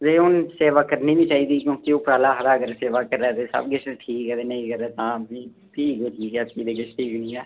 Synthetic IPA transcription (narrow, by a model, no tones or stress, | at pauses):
d͡ʒeːʊnseːʋaːkəɾniːbiːt͡ʃaːiːd̪iːkjõːkioːpɾaːlaːɦəɾaːəɡəɾseːʋaːkəɾɛːt̪eːsə̰bɡɪt͡ʃʰʈʰiːkɦɛːt̪eːnəĩːkəɾɛːt̪ãːiː | ʈʰiːkoːʈʰiːkɛːiːd̪eːɡɪt͡ʃʰʈʰiːknĩːɛː